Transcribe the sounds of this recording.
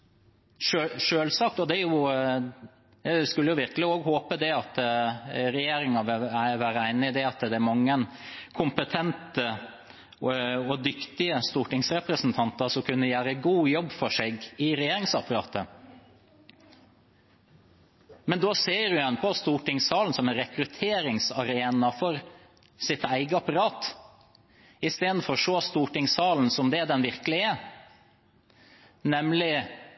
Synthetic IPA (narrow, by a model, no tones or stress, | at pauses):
ʂøʂøːlsɑk̚t̪ɔd̪ɛæjʊ | skʉlːəjʊʋɪɾklɪoːɡhoːpəd̪ɛɑt̪ | ɾɛjeːɾɪŋɑʋɪlʋæːɾəæɪnəd̪ɛɑt̪d̪ɛæɾmɑŋːənkʰʊmpət̪ʰɛnt̪ə | ɔd̪ʏkt̪ɪəst̪uːʈɪŋsɾɛpɾəsnt̪ʰɑnt̪əɾʂɔmkʰʉnːəjæːɾəɡuːjɔbːfɔʂeːɡɪɾɛjeːɾɪŋsɑpɑɾɑ̰ːt̪ə | mɛnd̪oːseːɾjʊɛnpʰɔst̪uːʈɪŋsɑːln̩sɔmɛnɾɛkɾʉt̪ʰeːɾɪŋsɑɾeːnɑfɔɾ | sɪt̪æɪɡəɑpɑɾɑːt̪ | ɪst̪eːd̪n̩fɔɾɔʂoːst̪uːʈɪŋsɑːln̩sɔmd̪ɛd̪ɛnʋɪɾkəlɪɛ | nɛmlɪ